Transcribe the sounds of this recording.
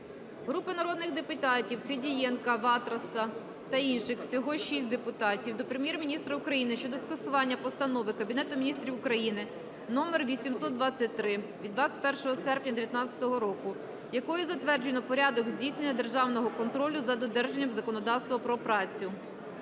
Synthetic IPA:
ɦɾupɪnɐɾɔd̪nɪɣd̪epʊt̪ɑtʲiwfedʲijɛnkɐʋɑt̪ɾɐsɐ | t̪ɐinʃɪxwsʲɔɦɔʃisʲt̚ʲd̪epʊt̪ɑtʲiwd̪ɔpɾemʲjɛrmʲinʲist̪ɾɐʊkɾɐjinɪʃt͡ʃɔd̪ɔskɐsʊʋɑnʲːɐpɔst̪ɐnɔʋɪkɐbʲinɛt̪ʊmʲinʲist̪ɾʲiwʊkɾɐjinɪ | nɔmerʋʲisʲimsɔt̪̚d̪ʋɑt͡sʲːɐt̚ʲt̪ɾɪʋʲid̪ʋat͡sʲɐ̥t̚ʲpɛrʃɔɦɔsɛrpnʲɐd̪eʋʲjɐt̪nɑt͡sʲɐ̥t̪ɔɦɔɾɔkʊ | jɐkɔjɛzɐt̪ʋɛrd͡ʒenɔpɔɾʲɑd̪ɔɡzʲdʲijsʲnenʲːɐd̪e̞rʒɑwnɔɦɔkɔnt̪ɾɔlʲʊzɐd̪ɔd̪ɛrʒenʲːɐmzɐkɔnɔd̪ɑwst̪ʋɐpɾɔpɾɑt͡sʲjʊ

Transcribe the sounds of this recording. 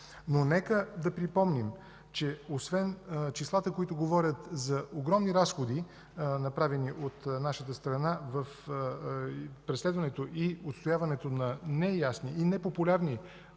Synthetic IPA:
nonɛkəd̪ɐpɾipɔmnim | t͡ʃɛosvɛnt͡ʃislˠat̪əkoit̪oɡovɔɾʲət̪zɐoɡɾɔmniɾasxod̪i | nɐpɾavɛniʔot̪naʃət̪əst̪ɾɐnavəf | pɾɛslɛd̪vɐnɛt̪oʔiot̪st̪ojavɐnɛt̪onɐnɛjasniːnɛpopulʲaɾni

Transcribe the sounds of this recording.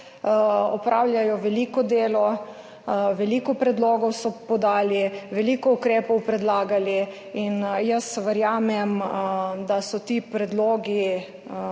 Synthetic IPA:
ɔpɾʔaːwlʲjajɔʋɛliːkɔd̪eːlɔ | ʋɛliːkɔpɾɛd̪loːɡɔwsɔpɔd̪aːliʋɛliːkɔukɾeːpɔwpɾɛd̪laːɡali | injəsʋəɾjaːmɛmd̪asɔt̪iːpɾɛd̪loːɡi

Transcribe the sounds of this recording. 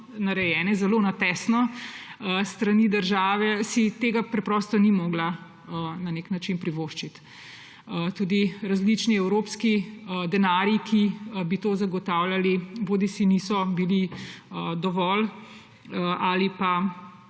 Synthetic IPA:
naɾɛjɛːnɛzɛlonat̪ɛsnɔəst̪ɾanid̪əɾʒaːʋɛsit̪eːɡapɾɛpɾɔst̪ɔnimɔːɡla | naneknat͡ʃinpɾiʋoːʃt͡ʃit̪ | ət̪uːd̪iɾazlit͡ʃniɛwɾopskiəd̪ɛnaːɾjikʰibit̪oːzaɡɔt̪awlaliboːd̪isiniːsɔbiliəd̪ɔʋɔl | ʔalipa

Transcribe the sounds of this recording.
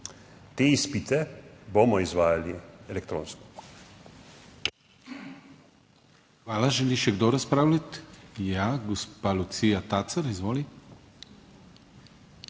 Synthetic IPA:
t̪eːispit̪ɛbomɔizʋaːjaliɛlɛk̚t̪ɾo̰ːnskɔ̥ | xʋaːlaʒɛliʃɛɡd̪oɾaspɾaːwlʲat̪jaɡɔspalut̪sijat̪at̪saɾizʋoːli

